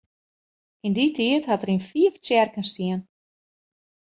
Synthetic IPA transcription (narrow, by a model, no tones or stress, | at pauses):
inditʰiəthatərinfiəft͡sjɛrkənstiən